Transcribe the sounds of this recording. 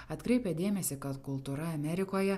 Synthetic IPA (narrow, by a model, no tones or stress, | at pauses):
ɐt̪kɾʲɛɪpʲɛd̪ʲeːmʲɛsʲɪkɐt̪kʊlˠt̪uːɾɐɐmʲɛɾʲɪkoːjɛ